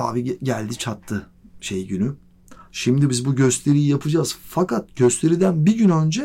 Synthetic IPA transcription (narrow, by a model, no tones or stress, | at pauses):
a̰ːviɟælʲd̪it͡ʃʰat̪ʰːɯ | ʃejɟyny | ʃimd̪ibizbuɟø̞st̪ʰe̞ɾijijapʰɯd͡ʒaz̥fakat̪̚ɟø̞st̪ʰe̞ɾid̪ænbiɟynø̞nd͡ʒɛ